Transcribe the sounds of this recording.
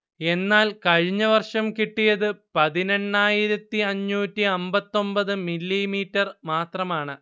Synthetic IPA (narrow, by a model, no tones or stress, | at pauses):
e̞nːaːlkɐɻiɲːɐʋɐrʂɐmkiʈːijɐðɨpɐðinɐnːaːjiɾɐt̪ːiɐɲːuːtːiɐmbɐt̪ːo̞mbɐðɨmilːimiːtːɐrmaːt̪rɐmaːɳɨ